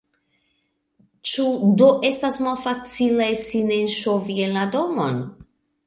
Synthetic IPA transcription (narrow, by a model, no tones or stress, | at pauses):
t͡ʃudo̞ʔe̞stasmalfat͡silasinenʃo̞vienlado̞mo̰n